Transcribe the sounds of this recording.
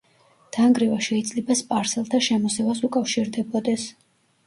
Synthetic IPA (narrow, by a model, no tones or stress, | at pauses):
d̪̥aŋɡɾivaʃɛid̪zʼlɛbaspʼaɾsɛlˠt̪ʰaʃɛmɔsɛvasukʼafʃiɾd̪ɛbɔd̪ɛs